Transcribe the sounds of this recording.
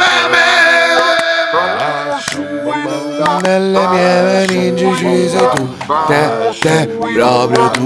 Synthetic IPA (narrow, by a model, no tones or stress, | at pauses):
nːelːemjɛvenind͡ʒit͡ʃizet̪u | t̪ɛt̪ɛpːɾɔpɾjot̪u